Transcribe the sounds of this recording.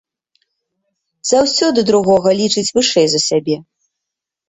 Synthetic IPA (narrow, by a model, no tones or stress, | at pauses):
z̥awsʲɔd̪ɨd̪ɾuɣɔɣɐlʲit͡ʂɨt͡sʲvɨʂɛjzɐsʲabʲɛ